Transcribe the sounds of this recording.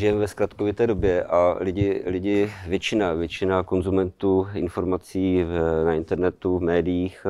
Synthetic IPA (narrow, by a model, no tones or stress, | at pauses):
ʒɪjɛmvɛsklat̪kovɪt̪ɛːdobjɛʔalɪɟɪlɪɟɪvjɛt͡ʃɪnavjɛt͡ʃɪnako̞nzumɛnt̪uːɪnfo̞ɾmat͡siːnaɪnt̪ɛɾnɛt̪uvmɛːdɪjiːx